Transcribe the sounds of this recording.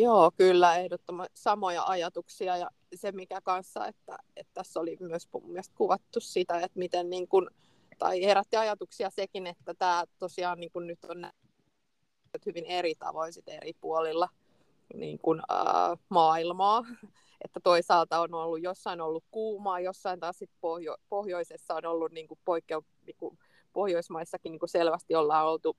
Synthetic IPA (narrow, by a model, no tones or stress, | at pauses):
joːkylːæehdot̪ːomɑst̪isɑmojɑ̰ʔɑjɑt̪uksiɑjɑ | semikækɑnsːɑ̰ḛt̪ːæ̰et̪t̪æsːolimyøsmumiɛst̪̚kuʋɑt̪ːussit̪æet̪mit̪enniːŋkun | t̪ɑ̰iheɾæt̪ːiɑjɑt̪uksiɑsekinet̪ːæt̪æːt̪osiɑːnniːŋkunnyt̪ːonnæ̰ | øt̪hyʋineɾit̪ɑ̰ʋoinsit̪ḛripuolilːɑ | nḭːŋkunə̰ːmɑːilmɑː | et̪ːæt̪oisɑːlt̪ɑonolːujjosːɑinolːukkuːmɑːjosːɑint̪ɑːssit̪̚pohjopohjoisesːɑonolːunniːŋkupoikːeu | niːŋku | pohjoismɑisːɑkiniːŋkuselʋæst̪iolːɑːnolt̪u